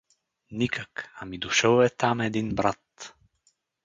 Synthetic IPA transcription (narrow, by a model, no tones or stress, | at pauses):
nikakamid̪ɔʃɔwɛt̪amɛd̪inbɾat̪